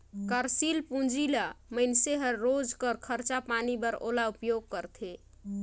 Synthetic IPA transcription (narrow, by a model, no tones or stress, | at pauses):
kəɾsilpũnd͡ʒilaməɪnseɦəːod͡ʒkəɾkʰəɾt͡ʃapanibəɾo̰laupjoɡ̚kəɾt̪ʰe